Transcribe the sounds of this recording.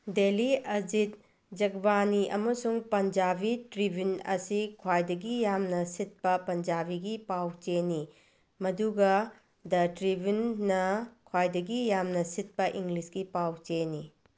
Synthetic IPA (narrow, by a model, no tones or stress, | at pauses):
deliɐd͡ʒit̚ | d͡ʒɐɡbaniʔɐ̰mɐsuŋpɐnd͡ʒabitɾibʱinɐ̰sikʰwajdɐɡijamnɐsit̚pɐpɐnd͡ʒabiɡipawt͡ʃeni | mɐduɡɐ | dɐtɾibʱinːɐkʰwajdɐɡijamnɐsit̚pɐʔiŋɡlisɡipawt͡ʃeni